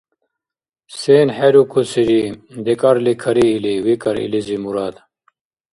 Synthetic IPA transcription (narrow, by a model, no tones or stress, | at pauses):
seːnheɾukʰusiɾid̪ekɐɾlikʰɐɾiːliwikɐɾḭlizimuɾaːd̪